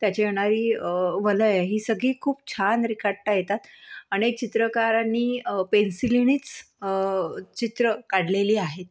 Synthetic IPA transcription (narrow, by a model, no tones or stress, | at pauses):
t̪jat͡ɕejeɽ̃aɾiːʋələjɦiːsəɡɭiːkʰuːb̚t͡ɕʰanɾikʰaɽʈajet̪at̪əñek̚t͡ɕit̪ɾəkaɾanːiːpensiliñiːt͡s | ət͡ɕit̪ɾəkaɽ̤leliːaɦet̪̚